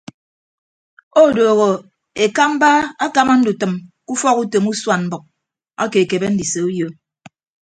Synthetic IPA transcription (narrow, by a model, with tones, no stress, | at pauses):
o˦˨doː˨ɣo˨ | e˨ka˦m̩˦ba˦a˦ka˦ma˦n̩˦du˨tɨ˨mku˦fɔ˦ku˦to˨mu˦swa˨nm̩˦bɨ˨k̚ | a̰˦ke˨ke˨be˦n̩˦di˨se˨u˦jo˦